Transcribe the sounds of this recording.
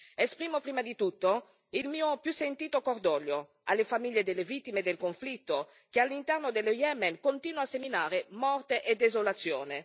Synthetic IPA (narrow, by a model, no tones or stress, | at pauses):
espɾiːmopɾiːmad̪it̪ut̪ːo | ilmiːopjusent̪iːt̪okord̪ɔːljo | alːefamiʎːed̪elːevit̪ːimed̪elkoɱflit̪ːo | k̟ealːint̪ɛrnod̪elojɛmɛnkont̪iːnwaseminaːɾemɔrt̪eʔed̪ezolat̪sːjoːne